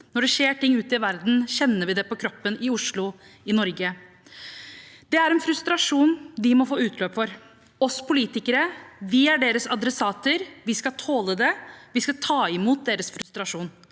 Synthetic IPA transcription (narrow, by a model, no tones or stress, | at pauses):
nɔɖɛʂeːʈʰɪŋːʉːt̪ɪʋæɾd̪n̩ɕɛnːəʋɪd̪ɛpɔkʰɾɔpːənɪʊʂlʊɪnɔɾɡə | d̪ɛæɾɛnfɾʉst̪ɾɑʂuːnd̪ɪmɔfoːʉːt̪ʰløːpfɔɾ | ɔspʰʊliːt̪ɪkəɾəʋɪæɖeːɾəsɑd̪ɾɛsɑːt̪əɾʋɪskɑt̪ʰoːləd̪ɛʋɪskɑt̪ʰɑːɪmuːt̪̚d̪eːɾəsfɾʉst̪ɾɑʂuːn